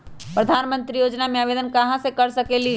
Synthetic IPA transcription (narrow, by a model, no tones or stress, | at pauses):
pɾəd̪ʱaːnmə̃nt̪ɾijoːd͡ʒnamẽaːʋed̪ənkɐɦãsekəɾsəkeli